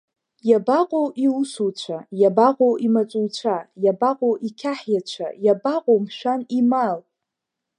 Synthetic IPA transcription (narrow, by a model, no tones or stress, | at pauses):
jabaqʼowʔiusuwt͡ʃʷʰajabaqʼowʔimat͡sʷʼuwt͡ʃʷʰajabaqʼoʔikʲʰaħjat͡ʃʷʰa̰jabaqʼomʃᶣanimal